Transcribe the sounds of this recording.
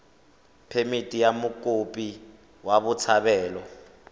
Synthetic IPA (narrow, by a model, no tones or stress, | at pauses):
pʰemitʼijamukʼopʼi | waɓut͡sʰaɓɛːlɔ